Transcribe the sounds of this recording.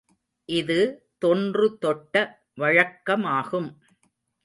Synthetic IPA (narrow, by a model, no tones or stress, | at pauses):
ʔɪðɯt̪ɔndrɯt̪ɔʈːɐ | ʋɐɻɐkːɐmaːɣɯm